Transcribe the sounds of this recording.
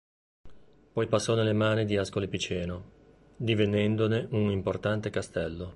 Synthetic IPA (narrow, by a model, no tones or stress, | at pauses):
pɔjpasːɔnelːemaːnid̪iaskolipit͡ʃɛːno | d̪ivenɛnd̪oneʔunimport̪ant̪ekast̪ɛlːo